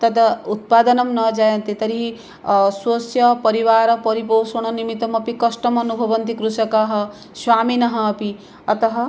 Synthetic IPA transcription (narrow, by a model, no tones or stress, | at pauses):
t̪ʌd̪ʌut̪̚pad̪ʌnʌmnʌd͡ʒajɐnt̪et̪ʌɾiɦi | swosjʌpʌɾiwaɾʌpʌɾipowsuɽ̃ʌnimit̪ɐmʌpikʌsʈʌmʌnubʱʌbʌnd̪ikɾusʌkaɦʌ | swaminʌɦʌːpi | ʌt̪ʌɦʌ